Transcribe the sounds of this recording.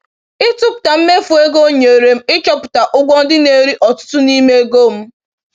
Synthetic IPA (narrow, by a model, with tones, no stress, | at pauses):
ɪ˦tʊ˦pʊ̥˨ta˨m̩˦me˦fu˨e˦ɡo˦ɲe˨ɾe˨m̩˦ɪ˦t͡ʃɔ˦pʊ̥˨ta˨ʔʊ˦ɡʷɔ˦n̩˦dɪ˦ne˦˨ɾi˦ʔɔ˨tʊ̥˦tʊ˦ni˦me˦e˦ɡo˦m̩˦